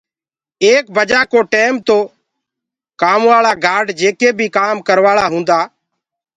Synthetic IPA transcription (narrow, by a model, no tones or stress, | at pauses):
eːk̚bəd͡ʒaːkoːʈeːmt̪oː | kaːmʋaːɭaːɡaːɖd͡ʒeːkeːbʱiːkaːmkəɾʋaːɭaːɦũːnd̪aː